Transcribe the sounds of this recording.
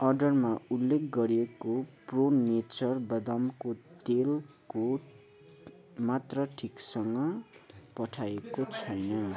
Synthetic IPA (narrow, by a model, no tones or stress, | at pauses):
ʌrɖʌrmaulːekʰɡʌɾiekopronet͡sʌrbʌd̪ʌmkot̪el | ko | mat̪rʌʈʰiksʌŋɡʌpʌʈʰaekot͡sʰʌjnʌ